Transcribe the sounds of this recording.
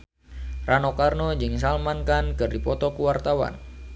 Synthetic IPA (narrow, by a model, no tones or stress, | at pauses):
rʔanɔkarnɔd͡ʒɨŋs̬almankankɨrdipɔt̪ɔkuwart̪awa̰n